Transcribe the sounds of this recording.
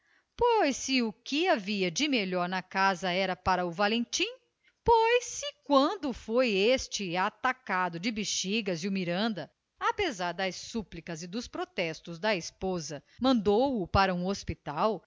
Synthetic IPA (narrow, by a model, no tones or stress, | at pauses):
pojsɪʊkɪaviɐd͡ʒɪmeʎɔɾnɐkazɐɛɾɐpaɾɐʊvalẽnt͡ʃĩ | pojsɪkwɐ̃nd̪ʊfojest͡ʃɪat̪akad̪ʊd͡ʒɪbiʃiɡɐzjʊmiɾɐ̃nd̪ɐ | apezaɾd̪ɐjssuplikɐzɪd̪ʊspɾot̪ɛst̪ʊzd̪ɐispozɐmɐ̃nd̪owʊpaɾɐũospit̪aw